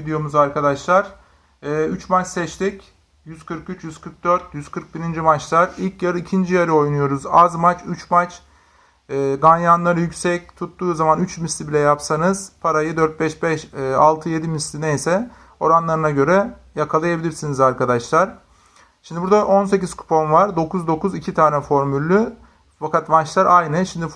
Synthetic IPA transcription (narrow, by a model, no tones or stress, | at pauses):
vid̪ijo̞muzaɾkʰad̪aʃlˠaɾ̥ | ɛːyt͡ʃmat͡ʃsɛt͡ʃt̪ʰic | jyz̥kʰɯɾkyt͡ʃjyzkʰɯɾk̚d̪øɾt̪̚ʰjyz̥kʰɯɾk̚biɾind͡ʒimat͡ʃlˠaɾilʲcjaɾɯicʰind͡ʒijaɾɯo̞jnujo̞ɾuzazmat͡ʃyt͡ʃmat͡ʃ | ɛːɡanjanlˠaɾɯjycsɛc̚t̪ʰut̪ːuːzamanyt͡ʃmist̪lʲibilʲɛjapsanɯz̥pʰaɾajɯd̪øɾt̪̚bɛʃbɛʃalˠt̪ʰɯje̞d̪imislʲinejsɛ | o̞ɾanlˠaɾɯnaɟø̞ɾɛ | jakʰalˠajabilʲiɾsinizaɾkad̪aʃlˠaɾ̥ | ʃimd̪ibuɾd̪aʔo̞nse̞ciz̥kʰu̥pʰo̞mvaɾd̪o̞kʰuzd̪o̞kuzicʰit̪ʰaːnɛfo̞ɾmylʲːy | fakat̪mat͡ʃlˠaɾʔajnɯʃimd̪if